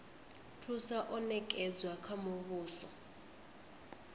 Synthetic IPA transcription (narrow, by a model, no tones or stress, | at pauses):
tʰusaʔɔnɛkʼɛd͡zwakʰamʊβuːsɔ